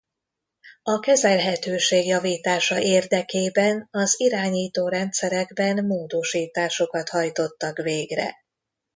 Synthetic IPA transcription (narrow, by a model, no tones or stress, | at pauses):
ɒkɛzɛlɦɛt̪øːʃeːɡjɒviːt̪aːʃɒʔeːrd̪ɛkeːbɛnɒziɾaːɲiːt̪oːɾɛnt̪sɛɾɛɡbɛnmoːd̪o̞ʃiːt̪aːʃo̞kɒt̪hɒjt̪o̞t̪ːɒkveːɡrɛ̰